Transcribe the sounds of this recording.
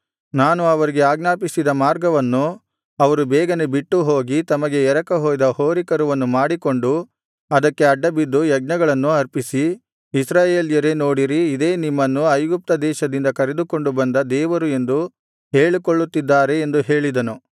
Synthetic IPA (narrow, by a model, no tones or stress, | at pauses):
naːnuɐʋɐɾiɡe̞aːɡnaːpisid̪ɐmaːɾɡɐʋɐnːu | ɐʋɐɾubɛːɡɐnebiʈːuɦo̞ːɡit̪ɐmɐɡe̞ɛɾɐkɐɦoːjd̪ɐho̞ːɾikɐɾuʋɐnːumaːɽiko̞ɳɖu | ɐd̪ɐkːe̞ɐɖːɐbid̪ːujɐɡ̚nɐɡɐɭɐnːuɐɾpisi | isɾaːje̞ːljɐɾe̞no̞ːɽiɾiːd̪e̞ːnimːɐnːuɐjɡup̚t̪ɐd̪ɛːʃɐd̪ind̪ɐkɐɾe̞d̪uko̞ɳɖubɐnd̪ɐd̪ɛːʋɐɾue̞nd̪u | ɦe̞ːɭikoɭːut̪ːid̪ːaːɾe̞ːnd̪uɦe̞ːɭid̪ɐnu